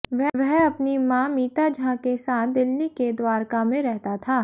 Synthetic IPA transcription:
ʋɛʋɛɦɐpnimãːmiːt̪ad͡ʒʱãkesaːt̪̚ʰd̪ɪlːiked̪waːɾkamẽɾɛɦt̪at̪ʰaː

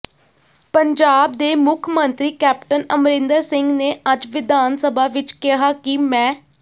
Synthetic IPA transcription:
pəɲd͡ʒaːb̚d̪eːmʊkʰmənt̪ɾiːkɛːpʈənəmɾɪ̃nd̪əɾsɪŋɡneːəd͡ʒʋɪd̪aːnsəbʱaːʋɪt͡ʃkɪɦaːkimɛ̃ː

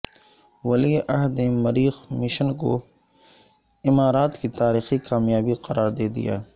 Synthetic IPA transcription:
ʋɐlieʔɐɦd̪nemɐɾiːxmɪʃənko̰ | ɪmaːɾaːt̪kit̪aːɾiːxikaːmjaːbiqɐɾaːɾd̪eːd̪ḭja̰ː

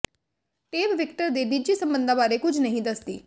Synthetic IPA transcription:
ʈeːbʋɪkʈəɾd̪eːniːd͡ʒiːsəmbənd̪ãːbaːɾeːkʊd͡ʒnəɦĩːd̪əsd̪ḭː

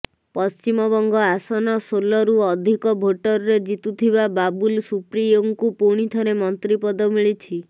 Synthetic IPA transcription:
pɔst͡ʃimɔbɔŋɡɔasɔnɔsolɔɾuɔd̪ʱikɔbʱoʈɔɾɔɾed͡ʒit̪ut̪ʰibababulsupɾijoŋkupuɽ̃it̪ʰɔɾemɔnt̪ɾipɔd̪ɔmiɭit͡ʃʰi

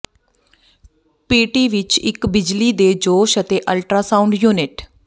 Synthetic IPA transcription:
peːʈiːʋɪt͡ʃɪ̰kbɪd͡ʒliːd̪eːd͡ʒoːʃət̪eːʔəlʈɾaːsaːʊ̃ɳɖjuːnɪʈ

